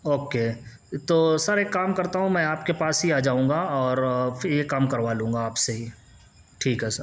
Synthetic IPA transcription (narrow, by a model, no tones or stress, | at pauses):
oːkeː | t̪oːsɐɾekːaːmkɐɾt̪aɦũmɛ̃aːpkepaːsɦiaːd͡ʒaːũːŋɡaɔːɾjekaːmkɐɾʋaːlũːŋɡaaːpseɦi | ʈʰiːkɦɛːsəɾ